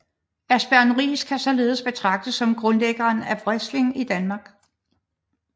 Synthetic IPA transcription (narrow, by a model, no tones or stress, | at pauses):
æsb̥æɐnʁḭːskʰæsɒ̽le̝ːð̞̩ˠəsb̥e̝t͡sʰʁɑ̈ɡ̥̚d̥əsɒ̽mɡ̥ʁɔ̽nleɡ̥ɐːnæb̥ʁɛsle̝ŋid̥ænmɑ̈ɡ̥